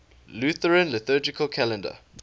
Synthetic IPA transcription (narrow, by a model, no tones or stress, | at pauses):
luθəɹə̃nlɪθəːd͡ʒɪkʰəlkʰælɛ̃ndə̰